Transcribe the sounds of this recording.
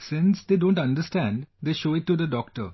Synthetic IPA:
sɪ̃nsd̪eːɖõːɳʈʌ̃nɖəsʈæ̃nɖd̪eːʃoːɪʈːud̪əɖɔːk̚ʈə̰ɾ

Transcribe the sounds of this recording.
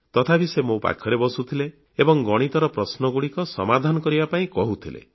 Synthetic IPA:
t̪ɔt̪ʰapisemopa̰kʰjɔɾebɔsut̪ʰileː | bɔŋɡɔɽ̃it̪ɔɾɔpɾɔsnɔɡuɽikɔsɔ̰mad̪ʱanɔkɔɾibapaĩkɔɦut̪ʰilḛ

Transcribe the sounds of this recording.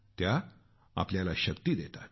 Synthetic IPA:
t̪ja | a̰pljalaɕəkt̪iːd̪et̪at̪

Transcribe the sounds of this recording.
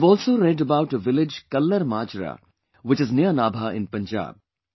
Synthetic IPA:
ʋɔːlsoɾɛɖəbaʊʈəʋɪlɪd͡ʒkɐlːəɾmaːd͡ʒɾa̰ | ʋɪt͡ʃɪznɪənaːbʱaɪ̰̃npɐ̃nd͡ʒa̰ːb̚

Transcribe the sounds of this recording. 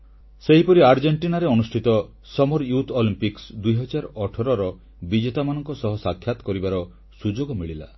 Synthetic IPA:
seɦipɔɾiaɾd͡ʒeɳʈinaɾeɔnusʈʰit̪ɔ | sɔmɔɾjut̪ʰolimpiksd̪ujɦɔd͡ʒaɾɔʈʰɔɾɔɾɔ | bid͡ʒet̪amanɔŋkɔsɔɦɔsakʰːjat̪ɔ̥kɔɾibaɾɔ | sud͡ʒoɡɔmiɭila̰

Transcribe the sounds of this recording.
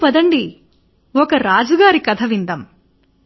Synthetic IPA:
pɐd̪ɐɳɖi | wɔkɐɾaːd͡ʒɐɡaːɾikɐt̪ʰɐʋind̪ɐm

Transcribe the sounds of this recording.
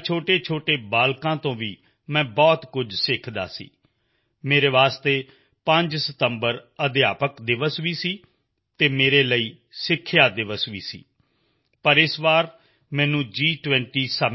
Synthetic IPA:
t͡ʃʰoːʈeːt͡ʃʰoːʈeːbaːlkãːt̪õːʋiː | mɛ̃ːbɔːt̪kʊd͡ʒsɪkʰd̪a̰ːsḭː | meːɾeːʋaːst̪eː | pə̃ɲd͡ʒsət̪əmbəɾəd̪ɪjaːpəkd̪ɪʋəsʋiːsiː | t̪eːmeːɾeːləiː | sɪkʰːjaːd̪ɪʋəsʋiːsḭː | pəɾɪsʋaːɾ | mɛ̃ːnũːd͡ʒiːʈʋɛ̃ːɳʈiːsa

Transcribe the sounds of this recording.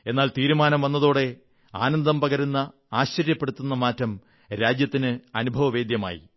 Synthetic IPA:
e̞nːaːlt̪iːɾumaːnɐmʋɐnːɐðoːɽe̞ | a̰ːnɐnd̪ɐmpɐɡɐɾunːɐ | aːɕːɐɾjɐpːe̞ɽut̪ːunːɐmaːtːɐm | ɾaːd͡ʑjɐt̪ːinɨɐnubʱɐʋɐʋe̞ːd̪jɐma̰ːjḭ

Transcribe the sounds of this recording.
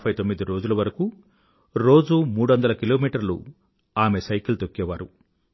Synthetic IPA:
pʰɐjt̪o̞mːid̪iɾo̞ːd͡ʒulɐʋɐɾɐku | ɾo̞ːd͡ʒumuːɽuʋɐnd̪ɐlɐkilo̞ːmiːʈɐɾlṵ | aːmesɐjkilt̪okːɛːʋaːɾu

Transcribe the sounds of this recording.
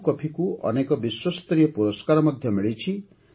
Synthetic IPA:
kɔpʰikuʔɔ̰nekɔbiswɔst̪ɾijɔpuɾɔskaɾɔmɔd̪ʱjɔmiɭit͡ʃʰi

